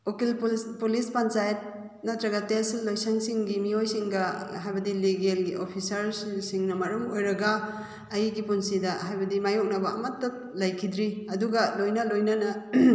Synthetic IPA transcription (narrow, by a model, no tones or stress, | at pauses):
okilppulispant͡ʃajt̚ | nɐtɾɐɡɐteslːojsaŋsiŋɡimiojsiŋɡɐɦajbɐdiliɡelɡiʔopʰisɐɾsiŋnɐmɐɾumojɾɐɡaː | jiɡipunsidɐɦajbɐdimajɔk̚nɐbɐ̰ːmɐtːɐp̚lɐjkʰid̪ɾiɐduɡɐlojnɐlojnɐnɐ